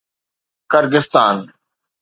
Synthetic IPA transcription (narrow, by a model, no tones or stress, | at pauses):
kəɾɡɪst̪aːn